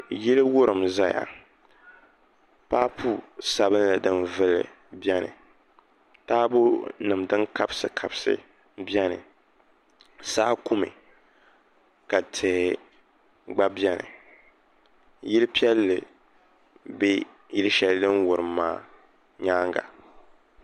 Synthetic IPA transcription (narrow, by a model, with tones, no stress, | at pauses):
jɪ˦lɨ˦wʊ˦ɾɨ˨mza˦ja̰˨ | paː˦pʰu˦sa˨βɨ˦n˦la˨dɨ˦nvɨ˦lɨ̰˨ | bɛ˦nɨ̰˨ | taː˦bo˦nɨ˨mdɨ˦nka˦bsɨ˦kʰa˨bsɨ̰˦ | bɛ˦nɨ̰˨ | saː˦ku˦mɨ̰˨ | ka˨tʰɛː˨ | ɡ͡ba˦bjɛ˦nɨ̰˨ | jɪ˦lɨ˦pi˦ɛ˦lːɨ˨ | be˦ | jɪ˦lɨ˦ʃɛ˨ldɨ˦nwʊ˨ɾɨ˨maː˦˨ | ɲaː˦ŋɡa̰˨